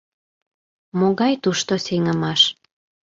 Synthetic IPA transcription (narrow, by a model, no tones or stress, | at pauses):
moɣɑjt̪uʃt̪oseŋəmɑʃ